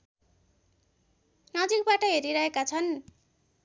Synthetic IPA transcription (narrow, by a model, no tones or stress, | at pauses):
nʌd͡zik̚baʈʌɦeɾiɾʌɦekat͡sʰʌn